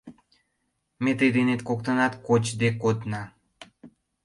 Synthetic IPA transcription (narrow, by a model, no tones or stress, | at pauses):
met̪əjd̪enet̪kokt̪ənɑt̪kot͡ɕd̪ekod̪nɑ